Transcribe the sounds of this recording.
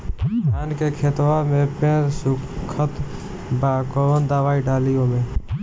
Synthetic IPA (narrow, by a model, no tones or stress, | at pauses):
aːnkekʰeːt̪ʋamẽpẽːɾsʊkʰət̪ | bakoːʋənd̪aːʋaːiɖaːlijõmẽ